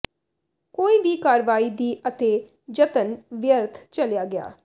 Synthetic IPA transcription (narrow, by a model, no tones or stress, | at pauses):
koːiːbiːkaːɾʋaːiːd̪iːʔət̪eː | d͡ʒət̪ənʋɪjəɾt̪ʰt͡ʃəljaːɡɪja̰ː